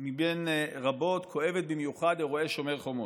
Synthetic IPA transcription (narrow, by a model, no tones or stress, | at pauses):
mibenʁabo̞t̪kʰo̞e̞vet̪̚bimjuχad̪eʁo̞e̞ʃo̞meʁχo̞mo